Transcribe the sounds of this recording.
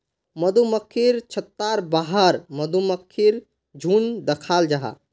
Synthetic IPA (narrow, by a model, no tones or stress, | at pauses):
məd̪ʱuməkʰːiɾt͡ʃʰət̪ːaɾbaɦəɾməd̪uməkʰːiɾ | d͡ʒʱund̪əkʰaːld͡ʒaɦa̰